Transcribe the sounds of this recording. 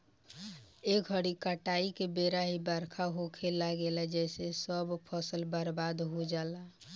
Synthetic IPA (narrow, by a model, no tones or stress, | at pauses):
ekəɽikaʈaikebeɾaɦibəɾkʰaɦokʰelaɡelɛd͡ʒɛɪsesəbpʰəsəlbəɾbad̪ɦod͡ʒala